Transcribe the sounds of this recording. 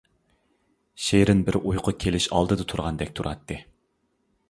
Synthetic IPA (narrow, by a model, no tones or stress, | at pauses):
ʃeɾɪnbɪɾujqʰʊkʲʰelɪʃɑ̰lˠd̪ɨd̪ɨt̪ʰuɾʁɑnd̪ɛk̚ʲt̪ʰuɾʔɑt̪ːɨ